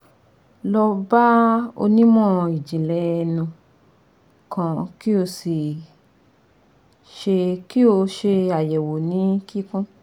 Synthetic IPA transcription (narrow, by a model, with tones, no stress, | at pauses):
lɔ˧ba˦o̰˧nĩ˦mɔ̃˦˨i˨d͡ʒĩ˨lɛ˨˦˧nũ˧ | kã˧ki˦o˧si˨ | ʃe˧ki˦o˧ʃe˧a˨jɛ˨wo˨nĩ˨˦ki˦kũ˦